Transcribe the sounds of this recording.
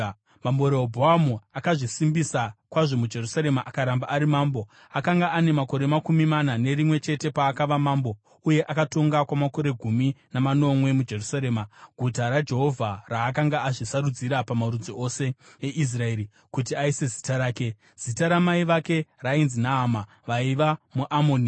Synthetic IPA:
mambo̞ɾeobʱoamuakaʐisimbisakwaʐo̞mud͡ʒe̞rusaɾe̞maʔakaɾambaaɾimaːmbo̞ | akaŋɡaːne̞mako̞ɾe̞makumimanane̞ɾimwe̞t͡ʃe̞te̞paːkaʋamaːmbo̞ | uje̞ʔakato̞ŋɡakwamako̞ɾe̞ɡʱuminamano̞mwe̞mud͡ʒe̞rusaɾe̞ːmaɡʱutaɾad͡ʒe̞ɦo̞vʱaraːk̬aŋɡaaʐisaɾud͡ziɾapamaɾud͡zoʔose̞eʔis̬rae̞ːɾi | kut̬iaise̞zi̥taɾaːke̞ | z̥itaɾamaiʋake̞rainzinaɦama | ʋaiʋamuʔamoːni

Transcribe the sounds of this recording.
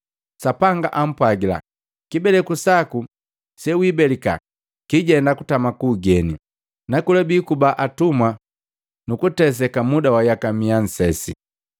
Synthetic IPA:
sapaŋɡaʔam̩pwaɡila̰ | kibɛlɛkusaku | sɛwibɛlika̰ | kiɟɛndakutamakuːɡɛni | nakulɛbikubaʔatumwa | nukutɛs̬ɛkamudawajakamian̩sɛsḭ

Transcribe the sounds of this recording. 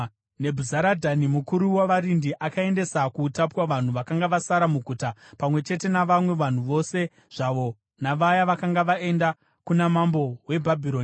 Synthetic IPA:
ne̞bʱuzaɾadʱanimukuɾuwaʋaɾindiʔakae̞nde̞sakutapwaʋan̤uʋakaŋɡaʋasaɾamuɡʱuːtapamwe̞t͡ʃe̞te̞naʋamwe̞ʋan̤uʋo̞se̞ | ʐ̥aʋo̞ | naʋajaʋakaŋɡaʋae̞nda | kunamambo̞we̞bʱabʱiɾo̞ːn

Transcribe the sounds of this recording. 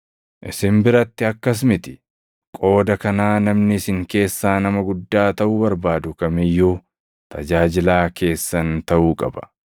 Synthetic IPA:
ʔɪsɪmbɪɾɐt̪ːɪɐkːɐs̬mɪt̪ɪ̥ | kʼo̞ːd̪ɐkɐnaːnɐmnɪsɪŋke̞ːsːaːnɐmɐɡʊd̪ːaːt̪ɐʔuːbɐɾbaːd̪ʊkɐmɪjːuː | t̪ʰɐd͡ʒaːd͡ʒɪlaːkʰe̞ːsːɐnt̪ɐʔuːkʼɐ̰bɐ̥

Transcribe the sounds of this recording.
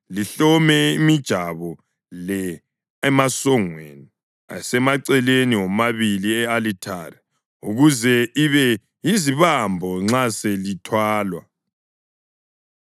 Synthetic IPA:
liɬɔmɛimid̥ʒ̥ʱaβɔ | lɛ | ɛmasɔŋweːni | a̰sɛmaǀɛleniwɔmaβiliɛalitʰaːrɛ | ṵɣuzɛiβɛ | jiziβambʱɔŋ͡ǁaselitʰwaːlwa̰

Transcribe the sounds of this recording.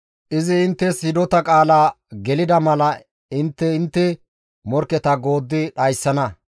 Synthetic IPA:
ʔɪzɪːnt̪ːɛsɪd̪ɔt̪ɐkʼaːlaː | ɡɛlɪd̪ɐmɐlɐ | ɪnt̪ːɛɪnt̪ːɛ | mɔɾkːɛt̪ɐɡo̞ːd̪ːɪɗɐjsːɐnɐ

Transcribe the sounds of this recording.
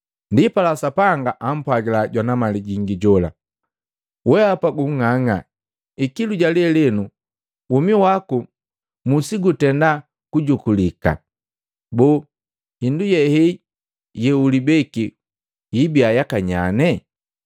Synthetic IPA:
ndipalasapaŋɡaʔam̩pwaɡilaɟwanamaliɟiŋɡiɟɔla̰ | wɛapaɡuŋŋaŋa | ikiluɟalɛlɛnu | umiwaku | musiɡutɛnda | kuɟukulika̰ | bɔ | hindujɛhɛ | jɛulibɛki | ibiajakaɲanɛ

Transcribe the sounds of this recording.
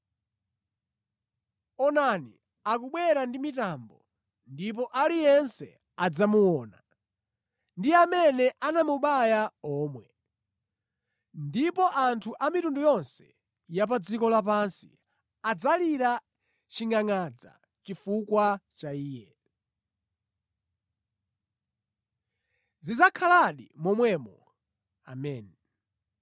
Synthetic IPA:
ɔnani | akuɓwɛɾandimitambɔ | ndip̬ɔʔalijɛnsɛ̰ | ad͡zamuwɔːna | ndiamɛnɛʔanamuɓajaɔːmwɛ | ndipɔʔantʰuʔamitundujɔnsɛ̰ | jap̬ad͡zikɔlapansḭ | ad͡zaliɾa | t͡ʃiŋaŋad͡za̰ | t͡ʃifukwat͡ʃaiːjɛ | zid͡zakʰalaɗimɔmwɛmɔ | a̰mɛːni

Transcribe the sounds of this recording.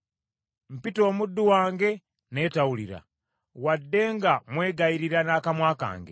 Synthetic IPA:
m̩pito̞ːmud̪ːuwaːŋɡe̞ | ne̞ːtawuliɾa̰ | wadːe̞ːŋɡamwe̞ːɡaiɾiɾanaːkamwaːka̰ːŋɡḛ

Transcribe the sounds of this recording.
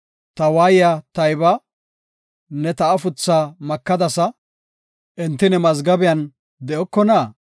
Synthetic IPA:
t̪ɐwaːjɪjɐt̪ɐjbɐ | nɛt̪ɐʔɐfʊt͡sːaːmɐkːɐd̪ɐsɐ | ʔɛnt̪ːɪnɛmɐzɡɐbɪjɐn | d̪ɛʔɔkːɔnaː

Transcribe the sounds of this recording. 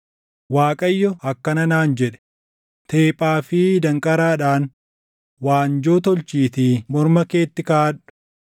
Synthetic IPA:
waːkʼɐjːɔɐkːɐnɐnaːnd͡ʒɛᶑɛ̥ | t̪ʰe̞ːpʼːaːfɪːd̪ɐŋkʼɐɾaːᶑaːn | waːnd͡ʒoːt̪ɔlt͡ʃiːt̪imɔɾmɐke̞ːt̪ːɪkɐaᶑʊ̥

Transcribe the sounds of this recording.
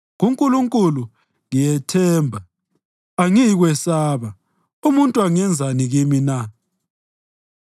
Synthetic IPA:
ɣuŋkʼuluŋkʼulu | ŋijɛtʰɛːmbʱa | aŋiɣwɛsaːβa | umuntʼuaŋɛnd͡zʱaniɣimina

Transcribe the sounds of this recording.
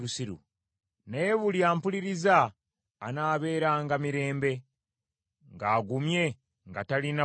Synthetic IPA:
usiɾṵ | neβuljaːmpuliɾizaː | naːβe̞ːɾaːŋɡamiɾe̞ːmbe̞ | ŋɡaːɡumje̞ | ŋɡatalina

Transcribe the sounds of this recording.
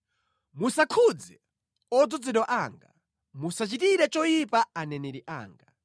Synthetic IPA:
musakʰud͡zɛ | ɔd͡zɔd͡zɛɗɔʔaŋɡa̰ | musat͡ʃitiɾɛt͡ʃɔjipaanɛnɛɾiʔa̰ːŋɡa

